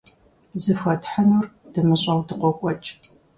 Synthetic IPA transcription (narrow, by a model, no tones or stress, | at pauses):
zɨfʷɐtħənurd̥ɨmɨɕʼɐwdɨqʷɔkʷʼɔt͡ʃʼ